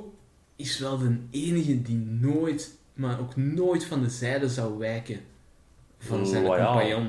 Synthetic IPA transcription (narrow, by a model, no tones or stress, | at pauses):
ɪsʋɛlˠdəneːnəɣədinoːjt | maːroːknoːjtfɑndəzɛjdəzɑwʋɛrkə | vɑnzɛpajon